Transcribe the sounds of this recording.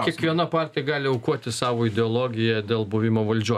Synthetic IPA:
iɛkʋʲiɛnɐpɑːɾʲt̪ʲɪjɛɡɑːlʲɪɐʊkuɔt̪ʲɪsɑːʋoːɪd̪ʲɛɔlˠoːɡʲɪjɛd̪ʲeːlˠbʊʋʲɪmoːʋɐlʲd͡ʒʲuɔ

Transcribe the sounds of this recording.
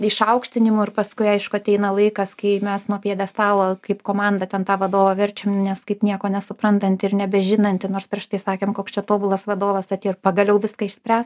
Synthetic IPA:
ɪʃɐʊkʃʲt̪ʲɪnʲɪmʊɪrpɐskʊɪɐɪʃkʊɐt̪ʲɛɪnɐlˠɐɪkɐskɐɪmʲɛsnuɔpʲiɛd̪ʲɛst̪ɑːlˠoːkɐɪpkoːmɑnd̪ɐt̪ʲɛnt̪ɑːʋɐd̪oːʋɐʋʲɛrʲt͡ʃʲemnʲɛskɐɪpnʲiɛkoːnʲɛsʊpɾɐnt̪ɐnʲt̪ʲɪrnʲɛbʲɛʒʲɪnɐnʲt̪ʲɪnoːrspʲɾʲiɛʃt̪ɐɪsɑːkʲeːmkoːkst͡ʃʲɛt̪oːbʊlˠɐsʋɐd̪oːʋɐsɐt̪ʲeːpɐɡɐlʲɛʊʋʲɪskɐɪʃʲsʲpʲrʲæːs

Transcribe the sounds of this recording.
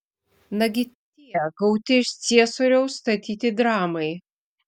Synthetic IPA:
nɐɡʲɪt̪ʲiɛɡɐʊt̪ʲɪɪʃt̪sʲiɛsoːɾʲɛʊst̪ɐt̪ʲiːt̪ʲɪd̪ɾɑːmɐɪ

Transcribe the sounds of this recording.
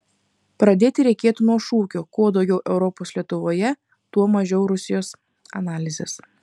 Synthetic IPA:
pɾɐd̪ʲeːt̪ʲɪɾʲɛɪkʲeːt̪unuɔʃuːkʲoːkoːd̪ɒʊɡʲɛʊʔɛʊɾɔpoːslʲiɛt̪ʊʋoːjɛ | t̪uɔmɐʒʲɛʊɾʊsʲɪjoːs | ɐnɑːlʲɪzʲḛs

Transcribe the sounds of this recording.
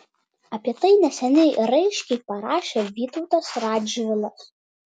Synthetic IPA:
ɐpʲiɛt̪ɐɪnʲɛsʲɛnʲɛɪɾɐɪʃʲkʲɛɪpɐɾɑːʃʲeʋʲiːt̪ɔʊt̪ɐsɾɑːd͡ʒʋʲɪlˠɐs

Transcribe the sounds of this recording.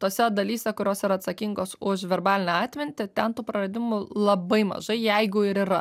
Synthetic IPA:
t̪oːsʲɛd̪ɐlʲiːsʲɛkʊɾʲoːsɪɾɐt̪sɐkʲiŋɡoːsʊʃʋʲɛɾbɑːlʲɪnʲɑːt̪ʲmʲɪnʲt̪ʲɪt̪ʲɛnt̪uːpɾɐɾɐd̪ʲɪmʊlˠɐbɐɪmɐ̰ʒɐɪjɛɪɡʊɪɾiɾɐ

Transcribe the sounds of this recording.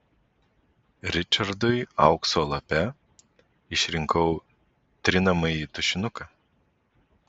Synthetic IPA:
ɾʲɪt͡ʃɐɾd̪ʊɪɐˑʊksoːlˠɐpʲɛ | ɪʃʲɾʲɪŋkɐʊ | t̪ʲɾʲɪnɐmɐit̪ʊʃʲɪnʊkɐ

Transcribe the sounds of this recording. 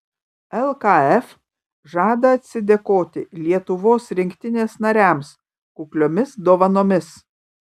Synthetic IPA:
ɛlˠkɑɛf | ʒɑːd̪ɐɐt̪ʲsʲɪd̪ʲekoːt̪ʲɪlʲiɛt̪ʊʋoːsɾʲɪŋʲkt̪ʲɪnʲeːsnɐɾʲæˑms | kʊklʲoːmʲɪsd̪oːʋɐnoːmʲɪs

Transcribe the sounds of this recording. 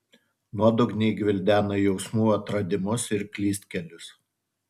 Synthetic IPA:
nuɔd̪ʊɡnʲɛɪɡʲʋʲɪlʲd̪ʲæːnɐjɛʊsmuːɐt̪ɾɐd̪ʲɪmʊsɪɾkʲlʲiːsʲt̪̚ʲkʲɛlʲʊs

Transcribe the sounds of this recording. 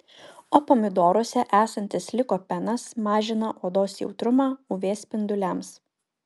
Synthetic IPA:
oːpomʲɪd̪oːɾoɔsʲɛʔæːsɐnʲt̪ʲɪslʲɪkoːpʲɛnɐsmɑːʒʲɪnɐʔoːd̪oːsjɛʊt̪ɾʊmɑːʊʋʲeːspʲɪnd̪ʊlʲɛms

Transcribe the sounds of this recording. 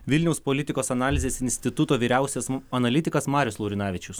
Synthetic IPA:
ʋʲɪlʲnʲɛʊspɔlʲɪt̪ʲɪkoːsɐnɑːlʲɪzʲeːsɪnʲsʲt̪ʲɪt̪ʊt̪oːʋʲiːɾʲæˑʊsʲɛsɐnɐlʲɪt̪ʲɪkɐsmɑːɾʲʊslˠɐʊɾʲɪnɑːʋʲɪt͡ʃʲʊs

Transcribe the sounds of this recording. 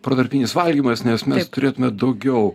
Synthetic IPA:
pɾod̪ɐɾʲpʲiːnʲɪsʋɐlʲɡʲiːmɐsnʲɛsmʲɛst̪ʊɾʲeːt̪ʊmʲɛd̪ɐʊɡʲɛʊ

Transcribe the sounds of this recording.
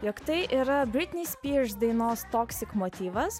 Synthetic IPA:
jokt̪ɐɪʔiːɾɐbʲɾʲɪt̪ʲnʲiːsʲpʲiʃd̪ɐɪnoːst̪oːksʲɪkmoːt̪ʲiːʋɐs

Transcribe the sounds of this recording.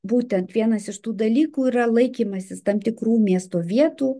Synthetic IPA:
buːt̪ʲɛnt̪ʋʲiɛnɐsɪʃt̪uːd̪ɐlʲiːkuːiɾɐlˠɐɪkʲiːmɐsʲɪst̪ɐmt̪ʲɪkɾuːmʲiɛst̪oːʋʲiɛt̪uː

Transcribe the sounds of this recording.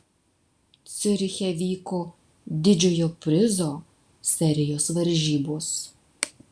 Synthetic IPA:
t̪sʲɪɾʲxʲɛʋʲiːkoː | d̪ʲɪd͡ʒʲoːjoːpʲɾʲɪzoː | sʲɛɾʲɪjoːsʋɐɾʲʒʲiːboːs

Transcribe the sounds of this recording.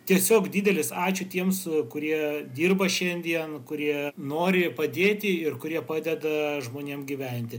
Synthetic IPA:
t̪ʲiɛsʲoːkd̪ʲiːd̪ʲɛlʲɪsɑːt͡ʃʲʊt̪ʲiɛmskʊɾʲiɛd̪ʲiːrbɐʃʲɛnʲd̪ʲiɛnkʊɾʲiɛnoːɾʲɪpɐd̪ʲeːt̪ʲɪɪrkʊɾʲiɛpɑːd̪ʲɛd̪ɐʒmoːnʲeːmɡʲiʋʲɛnʲt̪ʲɪ

